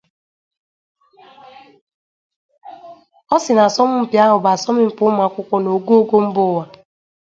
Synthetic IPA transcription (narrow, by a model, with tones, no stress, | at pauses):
ɔ˦sɪ˨na˨sɔ˦mʊ˦m̩˨pja˦ɦʊ˨ba˨a˨sɔ˦mɪ˦˨pʊ˦m˦a˨˦kʷʊ˦kʷɔ˦no˨ɡo˦ɡo˦m̩˦bʊ˦wa˨